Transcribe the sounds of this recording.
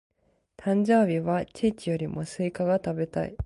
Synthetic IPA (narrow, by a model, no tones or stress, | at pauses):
t̪ʰãɲ̟d͡ʑo̞ːbʲiβat͡ɕiːt͡ɕijo̞ɾʲimo̞sɨikaɡat̪abe̞t̪a̰ḭ